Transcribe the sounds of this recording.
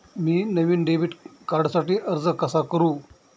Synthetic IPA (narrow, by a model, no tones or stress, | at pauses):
miːnəʋiːnɖeʋiːʈkaɾɖsaʈiːʔəɾd͡zəkəsakəɾuː